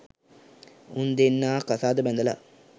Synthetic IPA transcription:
und̪enːaːkasaːd̪əbɛnd̪əla̰

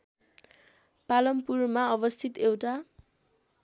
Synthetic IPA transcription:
palʌmpurmaʌbʌst̪ʰit̪ewʈa

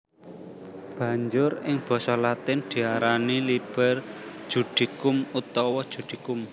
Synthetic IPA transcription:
b̥ä̤ɲd͡ʒʊɾɪŋb̥ɔ̤sɔlat̪ɪnd̪̥i̤aɾanilib̥ɛ̤r̥ʒ̥ṳɖ̪̥i̤kʊmut̪ɔwɔd̥ʒ̥ṳd̪̥i̤kʊm

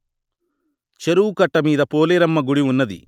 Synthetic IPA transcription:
t͡ʃeɾuːkɐʈːɐmiːd̪ɐpoːleːɾɐmːɐɡuɽiunːɐd̪ḭ

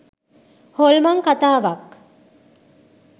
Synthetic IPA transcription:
holmaŋkat̪aːʋak

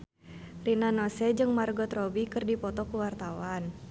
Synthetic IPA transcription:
rinanɔsɛd͡ʒɨŋmarɡɔt̪rɔbikɨrdipɔt̪ɔkuwart̪awan

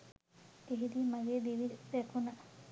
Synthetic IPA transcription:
eɦid̪imaɡed̪iʋiekʰuna

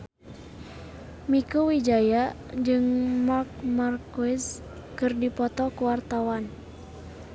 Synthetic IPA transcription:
mikuwid͡ʒaja | d͡ʒɨŋmak̚markuɪs | kɨrdipɔt̪ɔkuwart̪awan

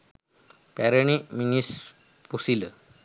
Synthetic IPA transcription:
pɛɾəɳ̃iminis | pusilə

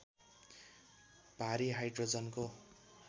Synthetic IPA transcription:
b̥ʱaɾiɦajɖrod͡zʌnko

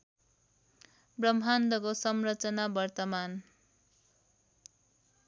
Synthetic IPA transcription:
brʌmʱand̪ʌkosʌmrʌt͡sʌnabʌrt̪ʌman

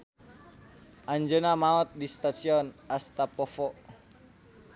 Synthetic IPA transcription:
ʔaɲd͡ʒənamaɔt̪̚dist̪asiɔnast̪apɔfɔ

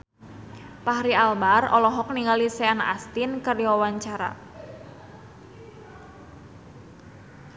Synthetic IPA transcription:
paɦɾialbarɔ̰lɔɦɔk̚niŋalisɛanast̪inkəriwawaɲt͡ʃaɾa̰

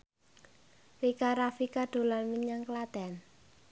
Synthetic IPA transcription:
rikaɾafikaɖ̪̥o̤lanmiɲaŋklad̪̥ɛn

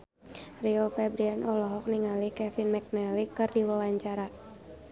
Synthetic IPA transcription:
riofɛbɾianʔɔlɔɦɔk̚niŋalikɛfinmɛk̚nɛlikɨrdiwawaɲt͡ʃaɾa

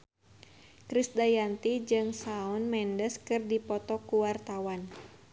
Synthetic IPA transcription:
kɾisdajant̪id͡ʒɨŋsaunmɛndəskɨrdipɔt̪ɔkuwart̪awan

